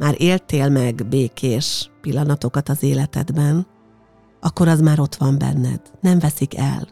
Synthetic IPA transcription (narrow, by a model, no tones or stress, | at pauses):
maːɾʔeːlt̪eːlmɛɡbeːkʰeːʃpilːɒnɒt̪o̞kɒt̪ɒzeːlɛt̪ɛ̰d̪bɛn | ʔɒkːo̞ɾɒzmaːɾo̞t̪ʋɒmbɛ̰nːɛ̰d̪̥nɛɱvɛsikʰɛ̰l